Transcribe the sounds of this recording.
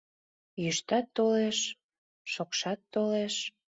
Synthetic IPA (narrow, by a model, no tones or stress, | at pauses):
jyʃt̪ɑt̪ːoleʃː | okʃɑt̪ːoleʃ